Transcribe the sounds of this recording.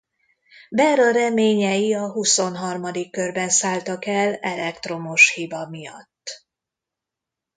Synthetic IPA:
bɛɾɒɾɛmeːɲɛjiɒɦuso̞nɦɒrmɒd̪ikːørbɛnsaːlt̪ɒkɛlɛlɛkt̪ro̞mo̞ʃhibɒmijɒ̰t̪ː

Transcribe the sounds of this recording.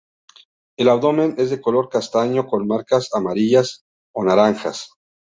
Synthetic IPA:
e̞lawðo̞mene̞zðe̞ko̞lo̞ɾkast̪aɲo̞ko̞nmaɾkasamaɾiʝas | o̞naɾaŋxas

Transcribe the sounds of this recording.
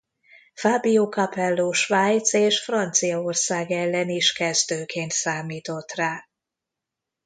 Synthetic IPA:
faːbijoːkɒpɛlːoːʃʋaːjt̪seːʃfrɒnt̪sijɒorsaːɡɛlːɛniʃkɛzd̪øːkʰeːnt̪saːmiːt̪o̞t̪raː

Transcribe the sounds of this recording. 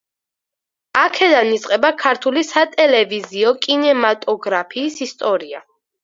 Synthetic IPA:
akʰɛd̪anit̪sʼqʼɛbakʰaɾt̪ʰulisat̪ʼɛlɛviziɔkʼinɛmat̪ʼɔɡɾapʰiːsist̪ʼɔɾia̰

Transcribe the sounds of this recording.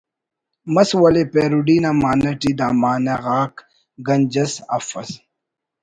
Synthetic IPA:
mɐswɐlepeːɾuɖiːnamaːnɐʈid̪aːmaːneɣaːk | ɡɐnd͡ʑɐsɐ̰fɐs

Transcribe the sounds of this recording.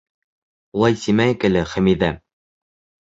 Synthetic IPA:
ulˠɑjsimæɘkɘ̆lɘχæ̆miðæ

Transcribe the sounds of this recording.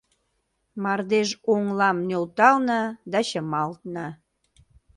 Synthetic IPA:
mɑrd̪eʒoŋlɑmnølt̪ɑlnəd̪ɑɕəmɑlt̪nə

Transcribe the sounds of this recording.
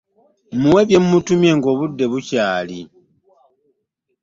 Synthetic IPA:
muwe̞βje̞mːutumje̞ŋɡo̞βudːe̞βucaːli

